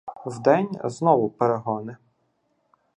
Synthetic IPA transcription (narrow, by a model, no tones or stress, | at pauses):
wd̪ɛnʲznɔʋʊpeɾeɦɔnɪ